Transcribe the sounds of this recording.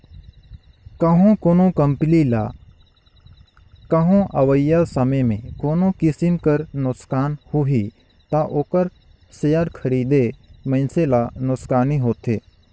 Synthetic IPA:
kəɦõkoːnõkɐmpɪlila | kɐɦõʔɐʋəjasɐməjmḛ̃koːnokɪsɪmkəɾnʊkskaːnhuɦi | t̪aʔoːkəɾ | sejəɾkʰɐɾiːd̪emə̃ɪnselanʊkskaːniɦoːt̪eː

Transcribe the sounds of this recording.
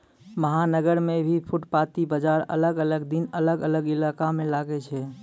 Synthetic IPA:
məɦanəɡəɾmebʱipʰuʈpat̪ibəd͡ʒaɾə̰ləɡələɡd̪inələɡələɡilakamẽlaɡet͡ʃʰɛ

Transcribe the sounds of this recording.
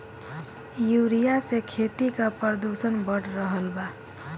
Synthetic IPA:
juɾijasekʰet̪ikapəɾd̪usənbəɽɾəɦəlba

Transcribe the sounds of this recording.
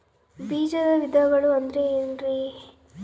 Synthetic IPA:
biːd͡ʒɐd̪ɐʋid̪ʱɐɡɐɭuɐnd̪ɾeeːnɾi

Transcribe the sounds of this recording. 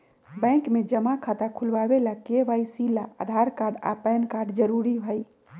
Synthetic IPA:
bɛ̃kmed͡ʒəmakʰat̪akʰulbabelakebajsilaʔa̰d̪ʱaɾkaɾɖa̰pɛnkaɾɖd͡ʒəɾuɾibʱəj

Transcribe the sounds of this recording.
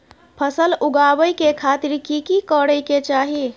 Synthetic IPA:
pʰəsəluɡabəjkekʰat̪iɾkikikəɽəjket͡ʃaɦi

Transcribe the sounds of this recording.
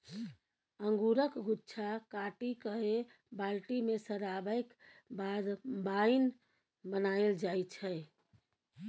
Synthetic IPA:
əŋɡuɾəkɡʱutːt͡ʃʰakaʈikəɦe | balʈimesəɾabəɪk | bad̪bajn | bənaeld͡ʒajt͡ʃʰɛ

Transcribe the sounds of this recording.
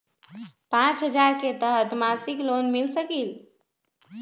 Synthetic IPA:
pãt͡ʃɦəd͡ʒaɾket̪əɦət̪malsiklonmilsəkil

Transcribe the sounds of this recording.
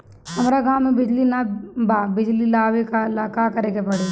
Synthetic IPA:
hɐmɾaɡãːmẽbɪd͡ʒlinabaːbɪd͡ʒlilaːʋekalaːkakɐɾeːkepɐɽeː

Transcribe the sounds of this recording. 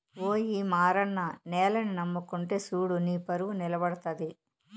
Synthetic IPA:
oːjimaːɾɐnːɐnɛːlɐninɐmːukuɳʈeːsuːɽuniːpɐɾuʋunilɐbɐɽɐt̪ɐd̪i

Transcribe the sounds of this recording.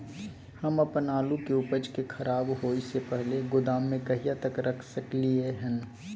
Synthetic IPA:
hɐmɐpnaːlũkeʊpət͡ʃkexʰɐɾaːbɦoːisepɛɦleɡʊd̪aːmːẽkɐɦijat̪ɐkɾɐkʰsɐklieɦɛ̃n

